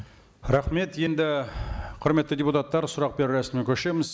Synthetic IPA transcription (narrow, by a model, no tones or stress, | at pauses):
ɾɑχme̞t̪je̞nd̪ɪqʰʊɾme̞t̪ːɪdʲeput̪at̪ːɑɾsʊɾɑq̚be̞ɾɾæsɪmnekʲʰɵʃe̞mɪz